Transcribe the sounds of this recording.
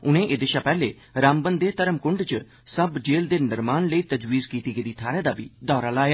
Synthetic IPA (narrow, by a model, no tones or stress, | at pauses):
ʊnẽːʔɪd̪ɪʃaːpɛːleː | ɾaːmbənd̪eːt̪əɾəmkʊɳɖt͡ʃə | səbd͡ʒeːld̪eːnɪɾmaːnləiːt̪əd͡ʒwiːzkiːt̪iːɡed̪iːt̪ʰaːɾeːd̪aːbʱiːd̪ɔːɾaːlaːjaː